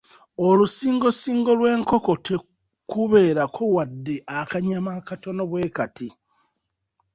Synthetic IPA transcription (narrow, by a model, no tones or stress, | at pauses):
olusiːŋɡo̞siːŋɡo̞lwe̞ːŋko̞ko̞tʰe̞ | kuβe̞ːɾakʰo̞wadːeʔakaɲamakato̞noβwe̞ːkati